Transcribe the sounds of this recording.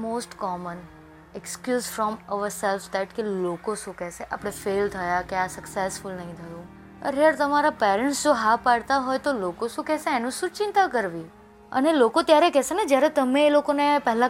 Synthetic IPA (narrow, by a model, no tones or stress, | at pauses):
mosʈkɔmən | ɛkskjuːzfɾɔməʋəɾsɛlfd̪ɛʈkelokoʃũkɛseʔapɽ̃efelt̪ʰəjakjasəksesfʊlnəɦĩt̪ʰəjũ | ə̰ɾɦəɾt̪əmaɾapeɾəɳʈsd͡ʒoɦapaɽt̪aɦɔjt̪olokoʃũkɛseenũʃũt͡ʃɪ̃nt̪akəɾʋi | ə̰nelokot̪jaɾekɛsened͡ʒjaɾet̪əmẽːlokonepɛɦla